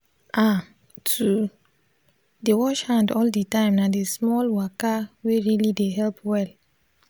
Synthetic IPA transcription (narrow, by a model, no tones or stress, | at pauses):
ʔa | tʰu | dewɔʃhãndɔlditãɪ̃mnadesmɔlwakaweɹilideɦɛlpwɛl